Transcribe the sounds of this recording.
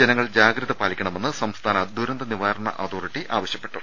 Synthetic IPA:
d͡ʑenɐŋːɐɭd͡ʑaːɡɾɐðɐpaːlikʲːɐɳɐme̞nːɨsɐmst̪ʰaːnɐd̪uɾɐnd̪ɐniʋaːɾɐɳɐ̰ʔɐt̪ʰoːriʈːiʔaːʋɐɕjɐpːe̞̥ʈːu

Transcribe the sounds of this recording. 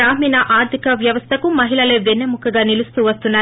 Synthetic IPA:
aːmiːnɐʔaːɾd̪ʱikɐʋjɐʋɐst̪ʰɐkumɐɦiɭɐleːʋenːemukɐɡaːnilust̪uːʋɐst̪unːaː

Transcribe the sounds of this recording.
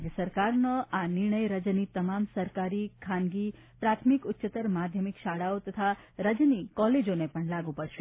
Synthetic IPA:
ɡəsəɾkaɾnəʔanɪɾɳəjɾəd͡ʒnit̪əmamsəɾkaɾikʰanɡi | pɾat̪ʰmikʊtːʃət̪əɾmad̪ʱjəmikʃaɽaot̪ət̪ʰaɾəd͡ʒnikɔled͡ʒonepəɳlaɡupəɾʃe

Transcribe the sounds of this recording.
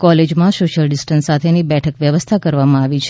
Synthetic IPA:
kɔled͡ʒmãsoʃəlɖɪsʈənsːat̪ʰenibɛʈʰəkʋjəʋəst̪ʰakəɾʋamãaʋit͡ʃʰ

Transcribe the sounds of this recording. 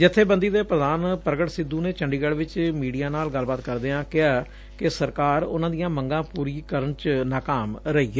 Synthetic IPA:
d͡ʒɪt̪ʰːeːbənd̪iːd̪eːpɾəd̪aːnpɾəɡəʈsɪd̪ːuːneːt͡ʃəɳɖiːɡəɽʋɪt͡ʃmiːɖijaːnaːlɡəlːbaːt̪kəɾd̪eːãːkɪaː | kɪsəɾkaːɾʊ̰nãːd̪ijãːməŋɡãːpuːɾiːkəɾəɳt͡ʃnaːkaːmɾəɦiːeː

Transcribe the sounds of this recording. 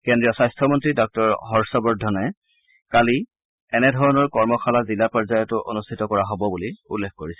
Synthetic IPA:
kendɹijɔsajstʰɔmɔntɹidɔk̚tɔɹɦɔɹsɔbɔɹdʱːɔnɛ | kali | ɛnɛdʱɔɹɔnɔɹkɔɹmɔxʰalazilapɔɹzajɔtʊʔo̰nustʰitɔkɔɹaɦobɔbuliulːekʰkoɹisɛ̥

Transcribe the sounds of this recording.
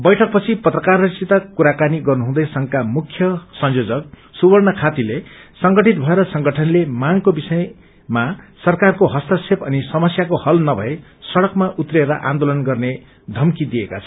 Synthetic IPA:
bʌjʈʰʌk̚pʌt͡sʰipʌt̪rʌkarʌsit̪akuɾakaniɡʌrnuɦũd̪ʌjsʌŋkamukʰjʌsʌnjod͡zʌk̚ | subʌrnʌkʰat̪ilesʌŋɡʌʈit̪̚bʱʌeɾʌsʌŋɡʌʈʰʌnlemaŋkobisʌj | masʌrkarkoɦʌst̪asʰepʌnisʌmʌsjakohʌlnʌbʱʌe | sʌɽʌkmaʔut̪reɾʌʔa̰nd̪olʌnɡʌrne | d̪ʱʌmkid̪ieka̰t͡sʰʌ

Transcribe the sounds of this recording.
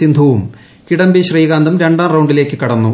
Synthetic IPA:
ind̪ʱuʋum | kiɽɐmbiɕriːɣaːnd̪ɐmɾe̞ɳɖaːrɐwɳɖile̞ːkːɨkɐɽɐnːu

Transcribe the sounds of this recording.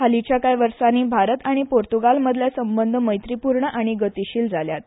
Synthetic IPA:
ɦalit͡ɕakajʋəɾsaniːbʱaɾət̪aɽ̃ipoɾt̪uɡalməd̪ʱljasəmbənd̪ʱəməjt̪ɾipuɾɳəʔaɽ̃iɡət̪iɕiːld͡zaljat̪̚

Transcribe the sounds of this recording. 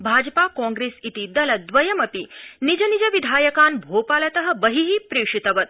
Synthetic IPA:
bʱaːd͡ʒpakɔ̃ŋɡɾeːsit̪id̪ɐlɐd̪ʋɐjɐmɐpinid͡ʒɐnid͡ʒɐʋid̪ʱaːjɐkaːnbʱoːpaːlɐt̪ɐɦɐ̆bɐɦiɦipɾeːʂit̪ɐʋɐt̪̚

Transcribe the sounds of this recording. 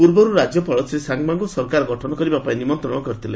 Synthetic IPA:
puɾbɔɾuɾad͡ʒjɔpɔɭɔt͡ʃʰiɾesaŋɡmaŋɡusɔɾkaɾɔɡɔʈʰɔnɔkɔɾibapaĩnimɔnt̪ɾɔɽ̃ɔkɔɾit̪ʰile

